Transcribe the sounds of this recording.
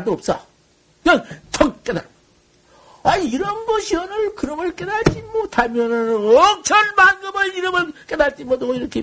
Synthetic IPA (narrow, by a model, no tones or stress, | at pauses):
doʌp̚s͈ʌ̰ | kɲʌntʰʌŋ̚k͈eda̰ɾ | aiɾʌnɡʌɕʰiʌnɯɭkɯɾʌmɯɭk͈edaɭt͡ɕ͈imotamjʌnɯnʌk̚t͡ɕʰʌnmanɡɯmɯniɾɯmɯɭk͈edaɭt͡ɕ͈imʌdoiɾʌkʰe